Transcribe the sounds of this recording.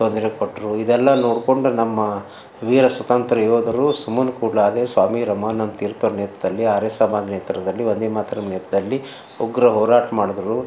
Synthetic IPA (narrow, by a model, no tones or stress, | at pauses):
t̪ond̪ɐɾekoʈːɐɾuid̪ɛlːɐnoːɽko̞ɳɖunɐmːɐ | ʋiːɾɐsʋɐt̪ɐnt̪ɾɐjjoːd̪ɐɾusumunkuːɽlaːd̪eːsʋaːmiɾɐmɐnɐnt̪iːɾt̪oːɾnɛːt̪ɐd̪ɐlːiaːɾeːsɐmaːd͡ʒ̪nɛt̪ɐɾɐd̪ɐlːiʋond̪eːmaːt̪ɐnɐmnɛːt̪ɐd̪ɐlːi | uɡɾɐɦɔːɾaːʈɐmaːɽud̪ɐɾu